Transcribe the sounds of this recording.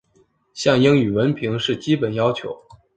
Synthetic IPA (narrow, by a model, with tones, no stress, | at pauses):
ɕjɑ˥˩ŋji˥ŋy˨˩wə˧˥npʰi˧˥ŋʂɻ̩˥˩t͡ɕi˥pə˨˩njɑ˥ʊt͡ɕʰjo̰˧˥ʊ